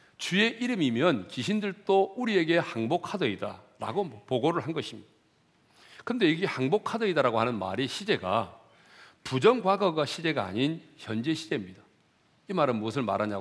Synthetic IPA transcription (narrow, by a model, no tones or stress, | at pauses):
t͡ɕue̞ʔiɾɯmimjʌnkiɕʰindɯɭt͈ouɾie̞ɡe̞haŋbokʰadʌida̰ɾa̰ɡompoɡoɾɯɭɦanɡʌɕʰimɲid̥a | kɯnde̞iɡehaŋbokʰadʌidaɾaɡoɦanɯnma̰ɾiɕʰid͡ʑe̞ɡa̰ | pud͡ʑʌŋɡwaɡʌɡaɕʰid͡ʑe̞ɡa̰ːɲinçjʌnd͡ʑe̞ɕʰid͡ʑe̞mɲida | imaɾɯnmuʌs̬ʰɯɭmaɾaɲa